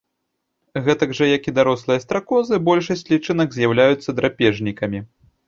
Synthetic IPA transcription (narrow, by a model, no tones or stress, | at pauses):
ɣɛt̪ɐɡʐɐjakid̪aɾɔslˠɨjɐst̪ɾakɔzɨbɔlʲʂɐsʲt͡sʲlʲit͡ʂɨnɐɡzʲjawlʲajut̪sːɐd̪ɾapʲɛʐnʲikɐmʲi